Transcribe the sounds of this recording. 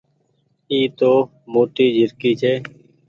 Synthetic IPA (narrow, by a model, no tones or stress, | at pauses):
iːt̪oː | moːʈiːd͡ʒʱɪɾkiːt͡ʃʰeː